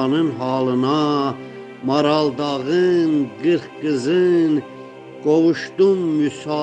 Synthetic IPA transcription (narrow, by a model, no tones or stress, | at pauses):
nɨnɦɑːlɨnɑ | mɑɾɑld̪ɑʁɨnɡɨɾχɡɨzɨn | kɔʁuʃt̪umːysɑ